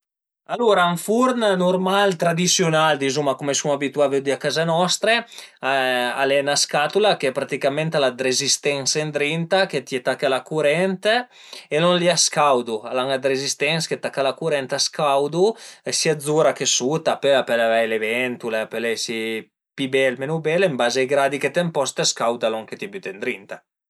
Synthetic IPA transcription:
aluɾaːɱfuɾnnurmalt̪ɾad̪isjonald̪izumakumesuŋabit̪uaved̪iakazanɔst̪ɾeaa̰lenaskat̪ulakeɛpɾat̪ikament̪alad̪ɾezist̪ɛnsend̪ɾint̪aket̪iet̪akːalakuɾɛnt̪ | elɔnliaskawd̪ualaŋad̪ɾezist̪ɛnsket̪akːalakuɾɛnt̪askawd̪uesiad̪zuɾakesut̪apøapelavajlevɛnt̪uleapelesi | pibɛlmenubɛlimbaːzajɡɾad̪iket̪empɔst̪askawd̪alɔŋket̪ibyt̪end̪ɾint̪a

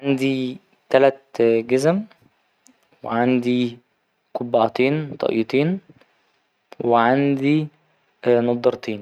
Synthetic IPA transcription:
ʕand̪i | t̪ælæt̪̚ɡæzæm | wḛʕand̪i | kobːɑʔt̪iːnt̪ˤɑ̰ʔj̰t̪ˤiːn | weʕand̪i | nɑd̪ˤːɑɾˤt̪ʰiːn

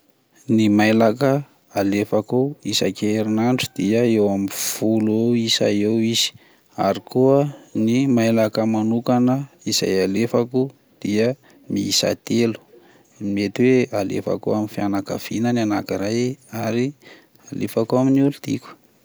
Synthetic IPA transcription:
nimajlakə | alefakoisa̰keɾinaɳɖ͡ʐud̪̥iəewamiv̥ulewisa̰ewiz̥i̥ | a̰ɾikuənimajlakəmanukanə | iz̥a̰jalefaku | d̪̥iə | miisa̰t̪elu̥ | met̪iwealḛfa̰kuamifianakə̰v̥inənanakiɾajaɾi | alefakuaminiulud̪̥ḭku̥

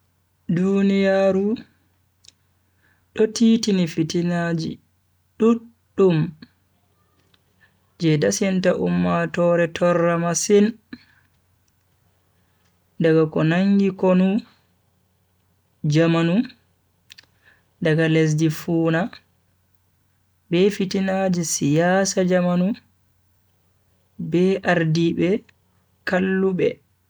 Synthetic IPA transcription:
dunijaːɾu | ɗɔtiːtinifitinad͡ʒḭ | ɗuɗːum | d͡ʒɛdasintaʔumːatɔːɾɛtʰɔrːamasin | daɡakɔnaŋɡikonu | d͡ʒamanu | daɡales̬difuːna | bɛfitinad͡ʒɛsijasad͡ʒamanu | bɛʔaɾdibɛ | kalːuɓɛ̰

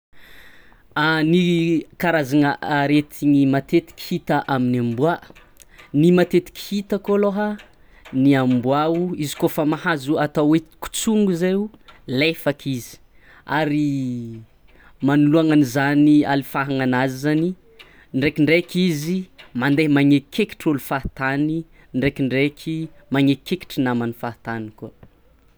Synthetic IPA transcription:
anikaɾazaŋəʔaɾet̪ʰiŋimat̪et̪i̥ki̥hit̪aʔaminambuaʔ | nimat̪et̪i̥ki̥hit̪akoloɦə | niambuauizi̥kofamahazuat̪awe̥ku̥t͡suŋɡuzeulefakʰizi̥ | a̰ɾi | manuluaŋanizania̰lifaɦaŋanazizani | ɳɖ͡ʐekiɳɖ͡ʐekizimand̪emaŋekʰeki̥ʈ͡ʂulufaɦt̪ani | nɳɖ͡ʐekiɳɖ͡ʐekʰimaŋekeki̥ʈ͡ʂinamanifat̪aniko

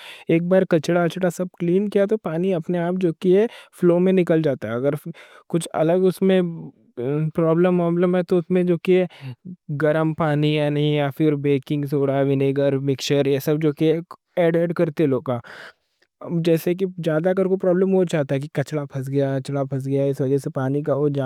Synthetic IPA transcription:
eːk̚baːɾkɐt͡ʃɽat͡ʃɽasɐb̚kliːnkijat̪opaːniɐpneaːp̚d͡ʒoːkiɦɛfloːmẽnɪkəld͡ʒaːt̪aɦɛɐɡəɾ | kʊt͡ʃʰɐ̰ləɡʊsmẽ | pɾɔːbləmːaːbləmɦɛt̪oʊsmẽd͡ʒoːkiɛ | ɡɐɾəmpaːniɦɛnɐɦĩjafɪɾbeːkɪ̃ŋɡs̬oːɽaʋɪneːɡəɾmɪkʃəɾjɛsɐb̚d͡ʒoːkiɦɛ | ɛːɖeːɖkɐɾt̪eloːɡaː | d͡ʒɛːsek̬id͡ʒjaːd̪akəɾkopɾɔːbləmɦot͡ʃaːt̪aɦɛk̬ikɐt͡ʃɽapʰɐs̬ɡɐjaɐt͡ʃɽapʰɐs̬ɡɐjaɪsʋɐd͡ʒɛsepaːnikaɦod͡ʒaː

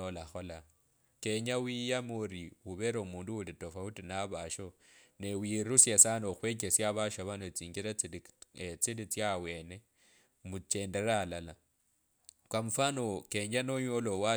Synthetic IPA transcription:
olaxo̞la | keɲawijamoɾiwuβeɾaumuːnduwulitofautinaβaʃo | newiɾusjesanoxwek̬esjaβaʃaβanot͡siːɲɡiɾaet͡silit͡sjawe̞ne̞ | mut͡ʃe̞nde̞ɾaːlala | kwamufanokeɲanoɲolowa

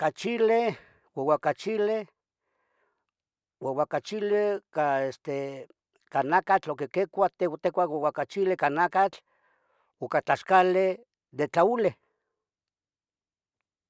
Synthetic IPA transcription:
kat͡ʃile | wewakat͡ʃile | wewakat͡ʃilekaest̪e | kanakat͡ɬokekekʷat̪ewt̪ekʷawewakat͡ʃilekanakat͡ɬ | okat͡ɬaʃkale | d̪et͡ɬaule

